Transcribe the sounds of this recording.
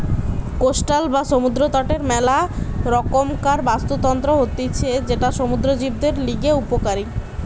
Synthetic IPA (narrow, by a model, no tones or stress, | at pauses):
kosʈalbaʃomud̪ɾot̪ɔʈeɾmɛlaɾɔkomkaɾbast̪ot̪ɔnt̪ɾoɦot̪it͡ɕʰed͡ʑeʈaʃomud̪ɾod͡ʑib̚d̪eɾliɡeupokaɾi